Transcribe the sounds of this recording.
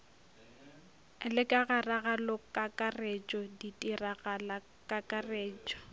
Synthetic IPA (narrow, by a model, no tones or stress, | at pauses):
lɪkʼaɣaraɣalɔkʼakʼaret͡ʃʼɔditʼiraɣala | kʼakʼareːt͡ʃʼɔ̥